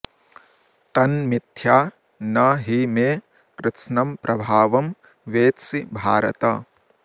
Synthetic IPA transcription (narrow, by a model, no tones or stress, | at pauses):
t̪ɐnmit̪ʰjaː | nɐɦimeː | kɾɪt̪ʃnɐmpɾʔɐbʱaːʋɐm | ʋeːt̪sibʱaːɾɐ̰t̪ɐ